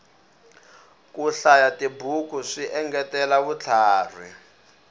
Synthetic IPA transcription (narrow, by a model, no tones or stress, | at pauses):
kuɬajatʼibukʰuʂiʔɛŋɡɛtɛlaβut͡ɬʰaːr̤ḭ